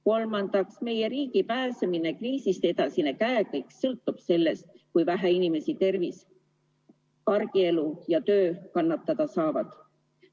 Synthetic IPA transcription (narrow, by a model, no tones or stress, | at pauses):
ko̞lmɑnd̪̥ɑksme̞je̞ɾiːɡipæːseminekriːsist̪eed̪ɑsinekæekɤjksɤlt̪ːˑub̥se̞lːe̞st̪̚ | kujvæɦæinime̞sit̪e̞rvis | kɑrɡ̥ie̞lujɑt̪ø̞ːkɑnːɑt̪ːˑɑd̪̥ɑsɑːvɑd̪̥